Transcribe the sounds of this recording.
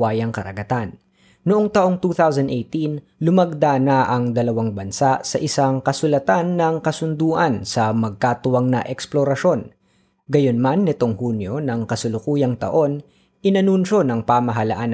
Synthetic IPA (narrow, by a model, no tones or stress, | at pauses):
aːjɐŋkɐɾɐ̰ɡɐt̪anː | ʊʔo̞ŋt̪ɐʔo̞ŋt̪uːθawsɐnd̪ʔejt̪in | lʊmɐɡ̚d̪anɐʔɐŋd̪ɐlɐwaŋbɐnsaʔsɐʔɪsaŋkɐsʊlɐt̪anːɐŋkɐsʊnd̪uːʔɐnsɐmɐɡ̚kaːt̪ʊwɐŋnɐʔɛksploɾɐʃo̞n | ɡɐjo̞nmanːɪt̪o̞ŋhuːnjo̞nɐŋkɐsʊlʊkuːjɐŋt̪ɐ̰ʔo̞n | ʔɪnɐnunʃo̞nɐŋpamɐɦɐlɐʔan